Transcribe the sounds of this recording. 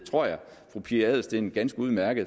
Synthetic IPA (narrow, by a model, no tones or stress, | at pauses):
t͡sʰʁo̝ɐ̰jɑ̈ɪ | fʁupʰiæð̰ˠsd̥e̝nɡ̥ænsɡ̥əuð̞̩ˠmæɐɡ̥əð̩ˠ